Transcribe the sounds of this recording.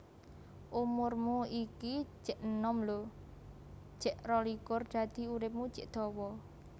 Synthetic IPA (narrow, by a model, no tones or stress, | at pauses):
ʔumʊrmuiki̥ʒ̥ɛʔnɔmlo | ʒ̥ɛʔrɔlikʊrd̪̥a̤d̪̥i̤uɾɪp̚mu̥ʒ̥ɛ̤ʔd̪̥ɔ̤wɔ